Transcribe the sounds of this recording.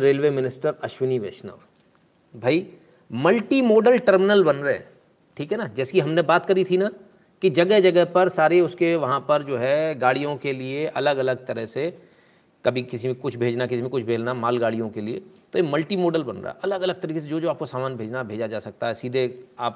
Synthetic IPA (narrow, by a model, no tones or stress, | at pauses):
ɾeːlʋeːmɪnɪsʈəɾɐʃʋɪniʋḛːʃnə̰ʋ | bʱaːi | mɐlʈimoːɖəlʈəɾmɪnəlbɐnɾəɛ̰ | ʈʰiːkɦɛnad͡ʒɛːse̥kiɦɐmnebaːt̪kɐɾit̪ʰina | kid͡ʒɐɡəɦd͡ʒɐɡəɦpɐɾsaːɾeʊskeʋɐɦãpɐɾd͡ʒoːɦɛɡaːɽijõkelieʔɐləɡɐləɡ̚t̪ɐɾəɦse | kɐbʱikɪsimẽkʊt͡ʃʰbʱeːd͡ʒnakɪsimẽkʊt͡ʃʰbʱeːd͡ʒnamaːlɡaːɽijõkeliḛt̪oemɐlʈimoːɖəlbɐnɾa̰ːɛɐləɡɐləɡ̚t̪ɐɾiːkes̬ed͡ʒoːd͡ʒoaːp̚kosaːmaːnbʱeːd͡ʒnabʱeːd͡ʒad͡ʒaːsɐk̚t̪aɦɛsiːd̪ʱeaːp